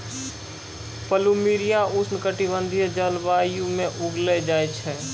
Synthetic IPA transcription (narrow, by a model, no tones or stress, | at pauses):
pəlumiːɾijaʊsnɪkəʈibə̃nd̪ʱid͡ʒəlʋaːijũmẽʔʊɡled͡ʒaːet͡ʃʰɛː